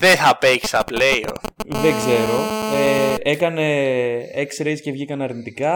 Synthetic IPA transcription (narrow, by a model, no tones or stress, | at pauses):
ðeθɐpeʝi̥sɐpleio̰ðeɡze̞ɾo̞ee̞kɐne̞eksɾescevʝikɐneɐɾnit̪ikɐ